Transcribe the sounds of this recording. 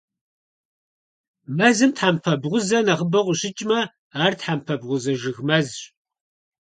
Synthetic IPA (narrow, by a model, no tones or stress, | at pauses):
mɐzɨmtħampʰɐbʁʷʊzɐnɐʁəbɐʁʷʊɕɪt͡ʃʼmɐ | aːrtħampʰɐbʁʷʊzɐʒɨɣmɐzɕ